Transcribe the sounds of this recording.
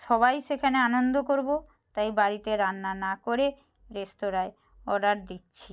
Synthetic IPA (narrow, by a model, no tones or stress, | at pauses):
ʃɔβajʃekʰaneanond̪okoɾbo | t̪ajbaɾit̪eɾanːanakoɾe | ɾesʈoɾae | ɔɖaɾ̚d̪itːɕʰi